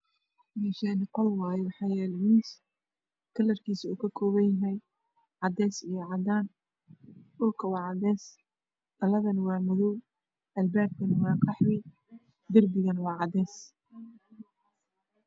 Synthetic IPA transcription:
miʃɛːnɪqɔlwɑːjwɑħɑːjɛːlɛmiːs | kʰɐlɐrkʰiːsuːkʰɐkʰɔːβɐjɐɦɛj | ʕɑd̪ɛːsijɞʕɑd̪aːn | ʔʊrkʰɐwɑːʕɑd̪ɛːs | d̪ɐlɐðɐnwɑːmʊðʊ | ʔɐlbaːb̚kʰɐnwɑːqɑħwɪ | d̪ɪrbɪɣɐnwɑːʕɑd̪ɛːs

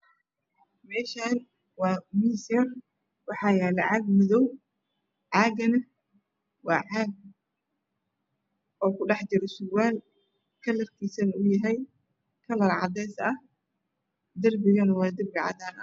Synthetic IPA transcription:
mɛːʃaːn | wɑːmisɐn | wɑħɑːjɛːlɛʕɑɡmʊðɔw | ʕɑːɡɐnɐ | wɑːʕɑːɡ̚ | ɔːkʰʊɖɑħd͡ʒɪɾɛsʊwaːl | kʰɐlɐrkʰiːsɐnʊjɐɦɛj | kʰɐlɐrʕɑ̰d̪ɛːsɐh | d̪ɐrbɪɣɐnwɑːd̪ɪrbɪʕɑ̰d̪aːnɐ̰

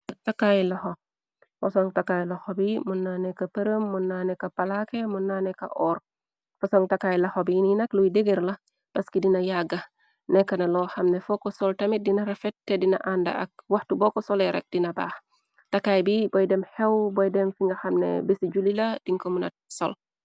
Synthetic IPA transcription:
takajlɐxo | fɐsɔŋtakajlɐxɔbimunːanɛkɐpəɾəmːunːaːnɛkɐpalakemunːaːnɛkɐ̰ʔɔr | fɐsɔŋtakajlɐxobijininɐkluwideɡeɾlɐ | pɐskidinɐjaɡːɐ | nɛkːɐnɐlɔxɐmnɛfɔkɔsɔltɐmit̚dinɐɾɛfɛt̚tːɛdinɐʔandɐ̰ʔɐk̚wahtubɔkɔsɔlɛɾɛ̰k̚d̥inɐba̰ːx | takajbibɔjdɛmhɛwbɔjdɛmfiŋɡɐxɐmnḛbisiɟulilɐd̥iŋkomunɐ̰t̚sɔ̰l

